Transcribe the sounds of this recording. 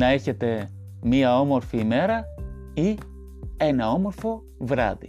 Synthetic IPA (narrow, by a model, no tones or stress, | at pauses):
nɐe̞çe̞t̪e̞ | miɐo̞mo̞ɾfiːme̞ɾɐ | i | e̞nɐo̞mo̞ɾfo̞ | vɾɐ̰ðḭ